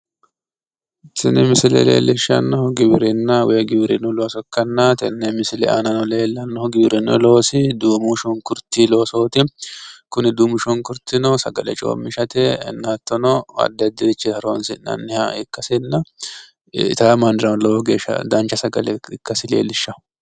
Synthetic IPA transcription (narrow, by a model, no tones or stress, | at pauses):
t̪ɛnɛmɪsɪlɛ̰lḛːlɪʃːɐ̰nːɔhʊɡɪbɪɾɪnːɐwɔɛɡɪbɪɾɪnɔlo̞ːsɔkːɐnːɐt̪ɛnːɛmɪsɪlɛ̰ʔa̰nɐnɔle̞ːlːɐnːɔhɔɡɪbɪɾɪnɔ̰lo̞ːsɪd̪uːmʊʃɔŋkʊɾt̪ːilo̞ːsɔːt̪ɪkʊnɪd̪uːmʊʃɔŋkʊɾt̪ɪnɔsɐɡɐlɛ̰t͡ʃʼo̰ːmːɪʃɐt̪ɛɛ̰nːaːt̪ːɔnɔɐ̰d̪ːɛɐd̪ːɪɾɪt͡ʃːɛtɐɾo̰nsɪnɐ̰nːɪhɐ̰ɪkːɐsɪnːɐ | t̪ɐɐmɐnd̪ɪɾɐnlɔwɔɡeːʃɐ̰d̪ɐnt͡ʃːɐsɐɡɐlɛɪkːɐsɪlḛːlɪʃːɐ